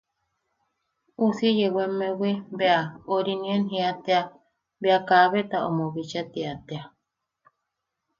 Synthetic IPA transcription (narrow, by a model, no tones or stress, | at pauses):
usiejewemewibeaoɾinienɦiat̪ea | beakaβet̪aʔo̰moβit͡ʃat̪iat̪ea